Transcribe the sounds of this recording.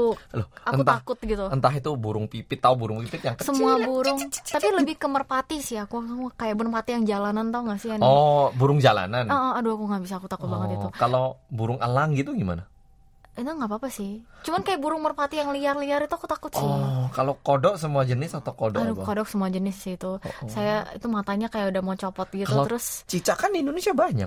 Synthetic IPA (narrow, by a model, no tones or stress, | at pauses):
lʊhaəknut̪aakʊt̪̚ɡit̪uənt̪aɦit̪ubuɾʊŋpipɪt̪ːaubuɾʊŋpipɪt̪jaŋkəsəmuabuɾʊŋt̪apiləbɪhkəmərpat̪isɪhakukajaʔbʊnpat̪ijaŋd͡ʒalanant̪oŋasɪanɔbuɾʊŋd͡ʒala̰nanɔʔəaduakuŋabis̬aːkut̪akʊt̪̚baŋət̪it̪ukalobuɾʊŋəlaŋɡit̪uɡima̰na | inaŋɡapaːpasɪht͡ʃumankajaʔbuɾʊŋmərpat̪ijaŋliarliaɾit̪uakut̪akʊt̪sɪkalokodɔksəmuad͡ʒənɪsat̪okodadukodɔk̚səmuad͡ʒənɪsːhit̪usajait̪umat̪aɲakajaudahmaut͡ʃopɔt̪̚ɡit̪auloəɾʊst͡ʃit͡ʃakandiːndonesiabaɲa̰k̚